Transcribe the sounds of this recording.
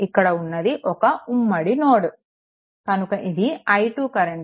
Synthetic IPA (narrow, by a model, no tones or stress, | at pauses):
ikːɐɽɐunːɐd̪iʔɔkɐumːɐɽinoːɽu | kɐnukɐʔid̪iɐjʈuːkɐɾeɳ